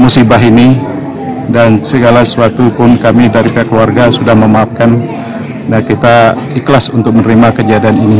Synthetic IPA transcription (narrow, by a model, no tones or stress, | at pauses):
musibaɦini | dansəɡalasuat̪upʊnkamidaɾipiakluarɡasudahməmaap̚kan | nakit̪a | iklasunt̪ʊk̚mənɾimakəd͡ʒadianini